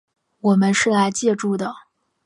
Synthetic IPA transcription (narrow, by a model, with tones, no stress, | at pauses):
wɔ˨˩mə˦nʂɻ̩˥˩la˧˥ɪt͡ɕjɛ˥˧ʈ͡ʂu˥˩d̪ə˩